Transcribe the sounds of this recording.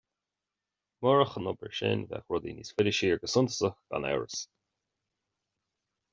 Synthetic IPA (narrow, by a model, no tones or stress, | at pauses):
mɔɹəxənɔbə̰ɹʃɪ̰nvɛ̰xwʊd̪ḭniːsfɪlɪʃiːɹɡəsʊnt̪ə̥səxɡ̥a̰nɛ̰ɹəs